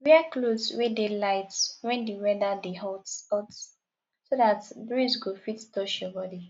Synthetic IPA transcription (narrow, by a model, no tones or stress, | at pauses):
wiakloswedelaɪtwɛ̃ndiwɛdadeɦɔtspɔts | sodatbɹizɡofittɔʃjɔbɔdi